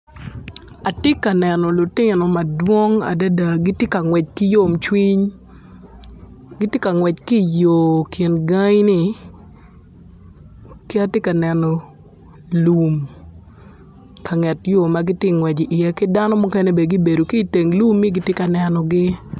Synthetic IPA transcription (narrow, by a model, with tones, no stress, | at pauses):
a˨tɪ˦ka˨nɛ˨nɔ˨lʊ˨tɪ˦nɔ˨ma˨dwo˦ŋa̰˨da˦da˨ɡi˦tje˦ka˨ŋwɛ˨t͡ʃki˦jo˦˨mt͡ʃwi˦ɲ | ɡi˦tje˦ka˨ŋwɛ˨t͡ʃki˦˨jo˨kʰɪ˨nɡa˦ŋ˦ni˨ | kɪ˦a˦tje˦ka˨nɛ˨nɔ˨ | lu˨m | ka˨ŋɛ˨tjo˦˨ma˦ɡi˦tjɪ˦ŋwɛ˨d͡ʒi˨ʔi˨jɛ˦kɪ˦da˦nɔ˦mo˦kɛ˦ne˦be˨ɡi˦be˨do˨ki˦˨te˨ŋlu˦mːi˦ɡi˦tje˦ka˨nɛ˨nɔ˨ɡɪ˦